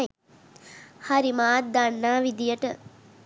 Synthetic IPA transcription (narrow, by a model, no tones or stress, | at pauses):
haɾimaːt̪̚d̪anːaːʋid̪ijəʈə